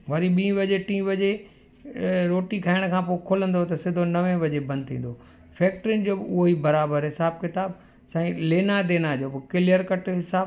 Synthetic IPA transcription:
ʋɐɾiɓĩːʋɐd͡ʑeʈĩːʋɐd͡ʑe | ɾoːʈikʰaːɪɽ̃kʰãːpoːkʰʊlə̃nd̪ot̪ɐsɪd̪ʱonɐʋẽʋɐd͡ʑebɐ̃nd̪̚t̪ʰḭ̃ːn̆d̪o | fɛːk̚ʈɾɪnd͡ʑoːbɪʊɦoibɐɾaːbəɾɦɪsaːb̚kɪt̪aːb | sãːĩleːnad̪eːnad͡ʑoːbkɪlijəɾkɐʈɦɪsaːb

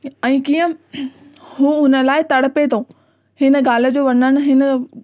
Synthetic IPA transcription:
ɛ̃ːkiːə̃ | hũːʊnə̆laːɪt̪ɐɽpet̪ʰoː | hɪnə̆ɡaːl̤ə̆d͡ʑoːʋɐnəɽ̃ʊ̆ɦɪnə̆

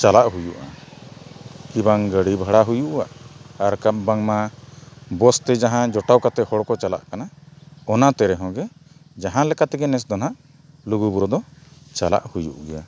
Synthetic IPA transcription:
t͡ʃalaʔɦujuʔa̰ | kibaŋɡəɽibʱəɽaɦujuʔaʔaɾkap̚baŋma | bɔst̪ɛd͡ʒaɦãd͡ʒɔʈawkat̪ɛhɔɽkɔt͡ʃala̰ʔkanaɔnat̪ɛɾɛɦɔ̃ɡɛd͡ʒaɦãlɛkat̪ɛɡɛnɛs̬d̪ɔnaʔ | luɡubuɾɔd̪ɔt͡ʃala̰ʔhujṵʔɡɛja

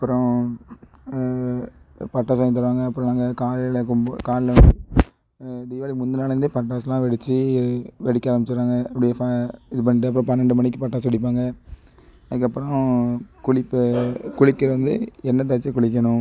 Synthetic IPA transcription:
ɐpːɯɾɔ̃ | pɐʈːaːsaːŋɪt̪̬ːɐɾʋaːŋɡɐːpːɯɾɔ̃naːŋɡɐkaːlɪlɐkʊmkaːɾɪlɐʋɐd̪ɯ | d̪iːʋaːlimʊnd̪ɯnaːlɐɐnd̪ɯpɐʈːaːslãːʋɛɽɪt͡ʃːɯʋɛɽɪkːaːɾɐmbɪt͡ʃːɯɾaːŋɡɐɐpːɐɽɪjɐfaɪðɯp̬ɐnːɪʈːɯɐp̬ːɯɾɔ̃pɐnːɐɳɖɯmɐɳɪk̬ːɯpɐʈːaːsʋɐɽɪpːaːŋɡɐ | ɐðɯkːɐpːɯɾɔ̃kʊɭɪpːkʊɻɪkːɪɾɐʋɐnd̪ɯ̰ɛnːɐt̪̬aːt͡ʃːɐkʊɭɪk̬ːɐɳʊ̃

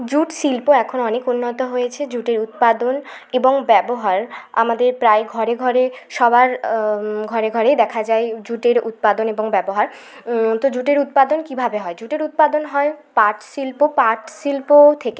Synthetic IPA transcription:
d͡ʑuʈsilpoɛkʰonoɔnekunːot̪oɦojet͡ɕʰed͡ʑuʈeɾut̪̚pad̪oneboŋbɛboɦaɾa̰mad̪eɾpɾaeɡʱɔɾeɡʱɔɾeʃɔbaɾ | ɡʱɔɾeɡʱɔɾejd̪ɛkʰad͡ʑaed͡ʑuʈeɾṵt̪̚pad̪oneboŋbɛboɦaɾ | t̪od͡ʑuʈeɾut̪̚pad̪onkibʱabeɦɔed͡ʑuʈeɾut̪̚pad̪onɦɔepaʈsilpopaʈsilpot̪ʰeke

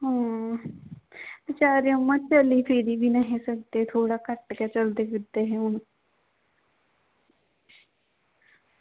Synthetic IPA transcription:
ɦãː | t͡ʃaːɾiomə̃t͡ʃəliːpʰiɾiːbʱiːnəɦĩsək̚d̪et̪ʰoːɽaːkəʈkɛːt͡ʃəld̪eːkɪd̪eɦɛ̃ːʊn

